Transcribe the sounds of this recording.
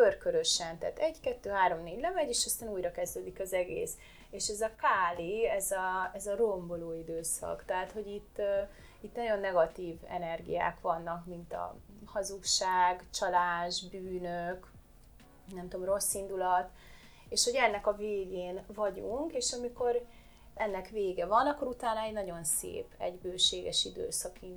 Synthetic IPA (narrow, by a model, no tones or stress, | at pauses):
kørkøɾøʃɛnt̪a̰ːt̪ɛɟkɛt̪ːøːɦaːɾo̞mneːɟlɛmɛɟeːʃɒst̪aːnuːjɾɒkɛzd̪øːd̪ikɒzɛɡḛːs | eːʃɛzɒkaːliɛzɒɛzɒro̞mbo̞loːid̪øːsɒ̰kt̪ɛɦaːt̪ho̞ɟit̪ː | it̪nɒɟo̞nːɛɡɒt̪iːvɛ̰nɛrɡḭja̰ːkʋɒnːɒkmint̪ɒ̰ | hɒzukʃaːɡt͡ʃɒlaːʒbyːnøk | nɛmt̪oːmro̞sːind̪ulɒt̪ | eːʃho̞ɟɛnːɛkɒveːɡeːnvɒɟuŋkeːʃɒmiko̞ɾ | ɛnːɛkʋeːɡɛvɒnɒkːo̞ɾut̪aːnɒɛɟnɒɟo̞nsḛːpɛ̰ɟbøːʃeːɡɛ̰ʃid̪ø̰ːsɒkin